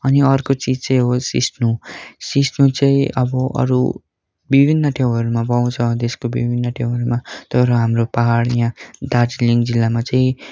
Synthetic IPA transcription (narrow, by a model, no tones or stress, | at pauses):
ʌniʌrkot͡sid͡zt͡saj̃ɦosḭsnusisnut͡saĩʔʌbʌʔʌ̰ɾu | bibʱinːʌʈʰew̃ɦʌɾumapʌw̃t͡sʰʌd̪eskobḭbʱinːʌʈʰew̃ɦʌɾumat̪ʌɾʌɦamropaɦaɽjãd̪ad͡zliŋd͡zilːamat͡saĩ